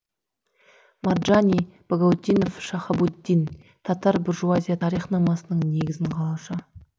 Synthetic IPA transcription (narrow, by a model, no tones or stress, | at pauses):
marʒanʲijb̥aɡawd̪ʲijno̞fʃɑχɑbud̪ːijn | t̪ʰɑt̪ɑɾbɪɾʒuazʲijat̪ʰɑɾijχnɑmɑsənəɴne̞ɡʲɪzɪɴqʰɑlˠɑʃɑ